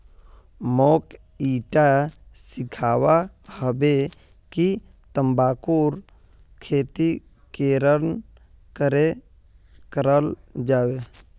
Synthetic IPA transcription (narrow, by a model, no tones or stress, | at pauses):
moːk | iːʈasɪkʰaːwahəbe | ki | t̪əmbaːkuɾ | kʰeːt̪i | keːɾən | kəɾe | kəɾəld͡ʒaːʋe